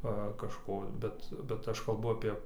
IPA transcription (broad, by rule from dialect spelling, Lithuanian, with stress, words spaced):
ˈʋɐ kɐʃˈkoː ˈbʲɛt bʲɛt ˈɐʃ kɐlˠˈbʊ ɐpʲiɛ